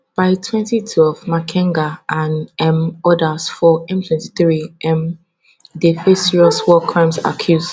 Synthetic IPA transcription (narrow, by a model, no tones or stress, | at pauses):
b̥aɪtʰwɛ̃ntitʰwɛvmakʰɛ̃ŋɡaʔãnɛ̃mɔdasfɔɛ̃mtʰwɛ̃nti̥θɹiɛ̃m | defesiɹɔswɔkʰɹãmsa̰kʰjus